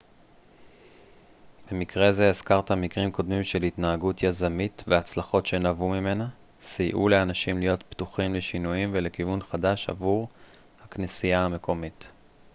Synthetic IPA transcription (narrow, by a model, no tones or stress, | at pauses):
b̥emikʁe̞ze̞ːzkaʁtamikʁimko̞dmimʃe̞lhitnaaɡutjazamitveat͡slaχo̞tʃe̞navumime̞na | sijʔuleanaʃimlijo̞t̪ptuχimleʃinujimvelekivunχadaʃa̰vuʁ | haknisijahame̞kʰo̞mit